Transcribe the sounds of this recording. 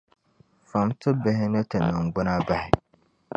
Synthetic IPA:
fa˨mtʊ˦bɪ˨ɦɪ˦nɨ˦tɨ˨nɨ˨ŋ˨ɡ͡bʊ˦na˦ba˦hɪ˨

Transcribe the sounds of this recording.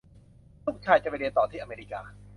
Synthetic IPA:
lu˦˥˩t͡ɕʰaː˧˩jt͡ɕa˧˩pa˧ɾi˧ənt̪ɔː˨˩t̪ʰiː˥˩ʔmeː˧ɾi˧˩kaː˧

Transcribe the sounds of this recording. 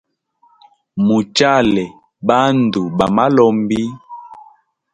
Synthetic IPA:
mu˨t͡ʃa˦˨lɛ˨ | ɓa˦n˨du˨ɓa˨ma˦lɔ˦mbi˦

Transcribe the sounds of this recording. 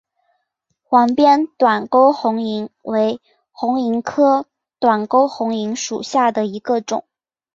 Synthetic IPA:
xwɑ˧˥ŋpjɛ˥nt̪wa˨˩nko˥ʊxʊ˧˥ŋi˧˥ŋwe˧˥ɪ | xʊ˧˥ŋi˧˥ŋkʰɤ˥ | t̪wa˨˩nko˥ʊxʊ˧˥ŋi˧˥ŋʂu˨˩ɕja˥˩d̪ə˩i˧˥ɡə˧ʈ͡ʂʊ˨˩˦ŋ

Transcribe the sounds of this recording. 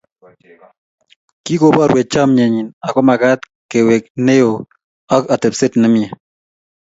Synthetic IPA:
ki˦ko˨ba˨ɾwe˨t͡ʃa˦mɲɛ˨ɲi˨na˨kɔ˦ma˨ka˦t̪ | ke˨we˨k̚ne˦jo˨ | a˦ka˨te˨pse˦tnɪ˦mja˨

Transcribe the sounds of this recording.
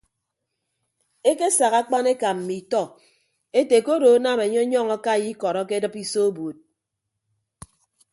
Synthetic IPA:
e˦ke˦sa˨ɣa˦k͡pa˦ne˦ka˨m̩˨mi˨tɔ˦ | e˦te˨ko˦do˨˦na˦˨me˨ɲɔ˦ɲɔ˦ŋɔ˦ka˦˨ji˦kɔ˨ɾɔ˦ke˦dɨ˦pi˦so˦o˦bu˨t̚

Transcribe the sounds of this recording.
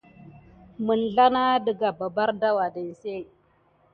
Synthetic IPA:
mə˨nɮa˦na˦də˨ɡa˨ba˨ba˦ɾda˦wa˨də˨n˨se˦˨

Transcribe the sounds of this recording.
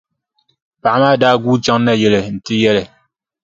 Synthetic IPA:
pa˨˦ma˦˨da˦ɡu˦t͡ʃa˦ŋ˦nɛ˦˨je˨le˨n̩˨ti˦jɛ˦le˨

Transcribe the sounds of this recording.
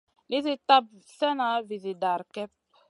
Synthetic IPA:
le˦ze˦ta˦b̚sɛ˦na˨˦vi˨ze˨da˨ɾkɛ˦p̚

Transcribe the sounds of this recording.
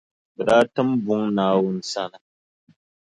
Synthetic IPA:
bɛ˨ɗaː˦tɨ˦mbʊ˦ŋnaː˨˦wʊ˦n̩˦sa˦nɨ˨

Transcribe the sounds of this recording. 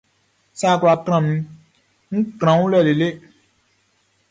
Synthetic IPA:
sa˦˨kwa˨kɾ̃ã˨m̩̃˦ | ŋ̩˦kɾ̃ã˨˦ŋu˦lɛ˨le˨le˦

